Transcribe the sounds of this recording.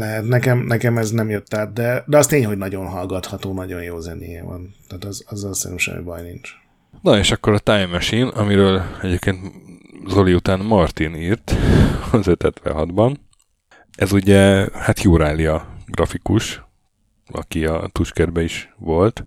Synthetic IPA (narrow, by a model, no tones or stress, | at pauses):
lɛɦɛt̪nɛkɛmnɛkɛmɛznɛmjøt̪ːaːt̪̚d̪ɛd̪ɛɒst̪eːɲɦo̞ɟnɒɟo̞nɦɒlɡɒt̪hɒt̪oːnɒɟo̞njoːzɛnḛːjɛvɒ̰nt̪ɛːt̪ɒzɒzːɒlsɛ̰ɾɛmʃɛ̰m̰bɒjnint͡ʃ | noeːʃɒkːo̞ɾɒt̪aːjmɛʃinɒmiɾøːlɛɟeːp̚keːnt̪zoliut̪aːnmɒrt̪iniːrt̪ɒzøt̪hɛt̪ʋɛ̰ɦɒd̪bɒn | ʔɛzuɟɛhat̪juːɾaːliɒɡrɒfikuʃ | ɒ̰kiɒ̰t̪uʃkɛrbɛiʃʋo̞lt̪